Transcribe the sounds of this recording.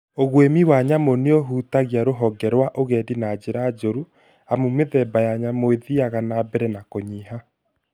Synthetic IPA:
oɣwemiwaɲamoneoɦuːtaɣiaɾoɦɔɡɛɾwaʔoɣɛdinaːd͡ʑeɾaːd͡ʒoɾu | amumeðɛbajaɲamoeðiaɣanabɛɾɛnakoɲiɦa

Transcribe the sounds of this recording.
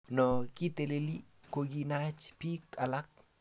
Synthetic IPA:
nɔkit̪eleli | koɡinat͡ʃpikalak̚

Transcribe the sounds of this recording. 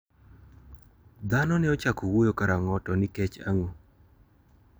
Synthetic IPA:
d̪anɔnɛɔt͡ʃakowojokaɾaŋɔtɔnɪkɛt͡ʃa̰ŋo

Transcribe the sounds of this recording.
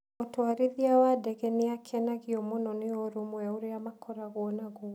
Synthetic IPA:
ɔtoaɾiðiawadɛɣɛneakʰɛnaɣiɔmɔnɔnɪɔɾomwaoɾeamakʰɔɾaɣuɔnaɣu

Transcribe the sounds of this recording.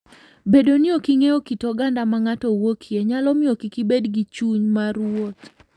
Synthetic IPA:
bedoniokiŋeokitɔɡandamaŋatɔwokʰieɲalɔmɪokikibedɡit͡ʃuɲmaɾwot̪

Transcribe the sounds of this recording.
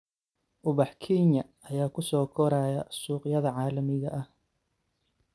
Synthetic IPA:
ʔʊβɑħkʰɛːnjɐɐjaːkʰʊsɔːkʰɔɾaːjɐsuːqjɐðɐʕɑːlɐmɪɣɐʔɐh

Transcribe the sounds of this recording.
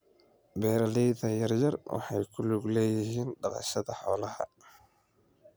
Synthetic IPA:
bɛːɾɐlɛjðɐjɐrjɐrwʔɑ̰ħɑjkʰʊlʊɡlɛːjɪɦiːnɖɑqɑ̰ʃɐðɐħɔːlɐhɐ̰

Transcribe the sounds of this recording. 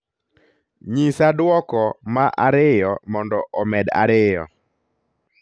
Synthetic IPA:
ɲisadwɔkɔmaʔaɾɪjɔmɔndɔʔɔmɛda̰ɾɪjɔ̰

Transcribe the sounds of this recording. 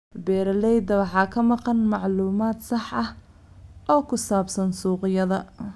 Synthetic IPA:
bɛːɾɐlɛjd̪ɐwɑħɑːkʰɐmɑqɑnmɑʕluːmaːd̪sɑħʔɐh | ʔɔːkʰʊsaːbsɐnsuːqɪjɐðɐ

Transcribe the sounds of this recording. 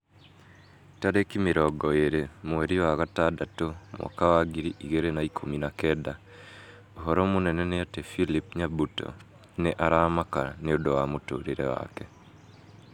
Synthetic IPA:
taɾekimeɾɔɡɔeɾemowɛɾiwaːɣataːdatomwʔɔ̰kawaɡiɾiʔiɣeɾenaikʰominakɛda | oɦɔɾɔmonɛnɛneatefilip̚ɲabutɔ̰ | neʔaɾamakaneodowamoto̰ːɾeɾɛ̰wa̰kɛ

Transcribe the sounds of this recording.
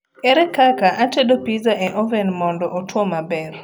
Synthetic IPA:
ɛɾɛkakaʔat͡ʃɛdɔpizaʔɛʔɔvɛnmɔndɔʔɔtwɔmabɛr

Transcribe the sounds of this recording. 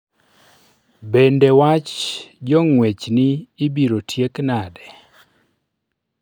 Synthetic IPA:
bendewat͡ʃd͡ʒɔŋwet͡ʃnɪːbiɾotʰjeknadɛ

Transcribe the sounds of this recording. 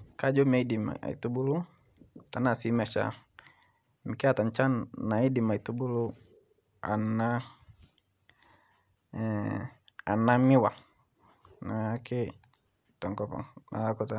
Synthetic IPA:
kad͡ʒɔmaidima̰ḭt̪ubulu | t̪anasimɛt͡ʃa̰ | mikiat̪aɲt͡ʃanːaidimait̪ubulu | a̰na | a̰namiwa | nakʰe | t̪ɔŋkɔpɔ̰ŋaakut̪a

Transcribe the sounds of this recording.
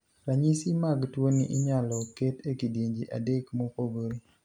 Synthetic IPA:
ɾaɲisimaɡtwonḭʔɪɲalɔketekidjeɲd͡ʒiʔa̰dekmokoɡol

